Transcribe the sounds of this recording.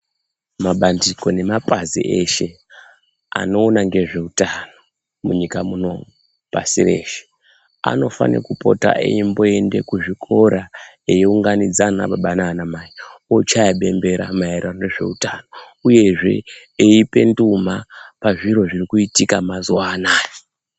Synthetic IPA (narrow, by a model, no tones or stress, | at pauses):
maɓandiko̞ne̞mapazḭʔeʃe̞ | a̰no̞ːnaŋɡe̞ʐe̞utano̞ | muɲikamuno̞mu | pa̰sire̞̰ːʃe̥ | a̰no̞fa̰nḛkupo̞̰ta̰ʔḛimbo̞e̞nde̞kuʐikʰo̞ɾa | ejiuŋɡanid͡zana̰ɓaɓananamaiot͡ʃajaɓe̞mbe̞ɾa̰maeɾaneʐe̞̰utano̞ | uje̞ʐe̞̰eipe̞ndumapaʐiɾo̞ʐirikuitikamazuwaːnaːni̥